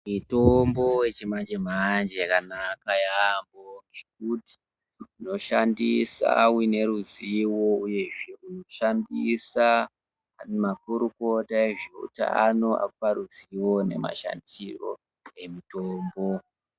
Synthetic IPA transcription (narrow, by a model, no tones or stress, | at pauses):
mitombo̞wet͡ʃimand͡ʒem̤and͡ʒkanakajamboŋɡe̞k̚uti̥ | uno̞ʃandisa̰wine̞ɾuziwo̞uje̞ʐe̞uno̞ʃanbisa | mapuɾuko̞taeʐeṵtaa̰noʔa̰kupaɾuziwo̞ne̞̰ma̰ʃa̰ndisiro̞̰ | e̞mitoːmbo̞